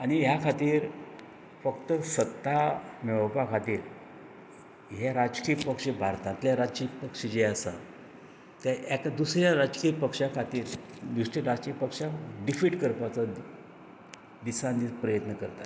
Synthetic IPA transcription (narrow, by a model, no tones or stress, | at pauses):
añijakʰat̪iːɾ | fəkt̪əsət̪ːamɛʋpakʰat̪iːɾ | ɦaɾad͡zkiːpəkʂebʱaɾt̪ãt̪ljaɾad͡zkipəkʂed͡ʑeəsa̰ | t̪aʔɛkad̪usɾjaɾad͡zkijəpəkʂjakʰat̪iːɾd̪usʈiɾad͡zkijəpəkʂaɖifiʈkəɾpat͡sa | d̪isãnd̪ipɾəjət̪nəkəɾt̪a